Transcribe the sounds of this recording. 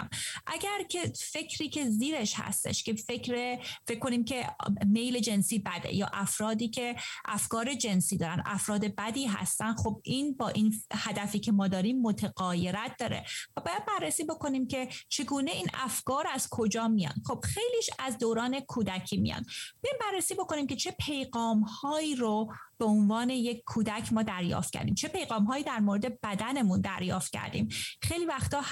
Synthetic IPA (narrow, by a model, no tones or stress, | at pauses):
mʔæɡæɾcʰe̞fe̞cʰɾiːcʰe̞ziːɾeʃhæ̰st̪e̞̰ʃke̞fecɾefeckkːo̞niːmcʰe̞me̞jle̞d͡ʒe̞nsiːbæd̪ḛjɒ̰ːʔæfɾɒːd̪iːcʰe̞ʔæfkɒːɾe̞d͡ʒe̞nsiːd̪ɒːɾænd̪ʔæ̰fɾɒːd̪e̞bæd̪iːɦæ̰st̪ænd̪xob̚iːnbɒːʔinhæd̪æfiːcʰe̞mɒːd̪ɒːɾiːmːot̪ʰeɣɒːje̞ɾæt̪̚ʰd̪̥ɒːɾe̞̰væbɒːjæd̪̚bærːesiːbo̞ko̞niːmcʰe̞t͡ʃʰe̞ɡuːne̞iːnæfkɒːɾæz̥kʰo̞d͡ʒɒːmijɒ̰ːnd̪̥χo̞b̥xe̞jliːʃæzd̪oːɾɒːne̞kʰuːd̪æcʰiːmḭjɒ̰nd̪bejimbærːesiːbo̞ko̞niːmcʰe̞t͡ʃʰe̞pʰe̞jɣɒːmhɒːiːɾob̥eonvɒːne̞jekʰːuːd̪æcʰmɒːd̪æɾjɒ̰ːft̪̚cʰæ̰ɾd̪ḭːmt͡ʃʰe̞pe̞jɣɒːmɦɒːjiːd̪æɾmoːɾed̪e̞b̥æd̪æne̞mund̪æ̰ɾjɒ̰ːft̪̚cʰæ̰ɾd̪ḭːmχejliːvæxt̪ɒː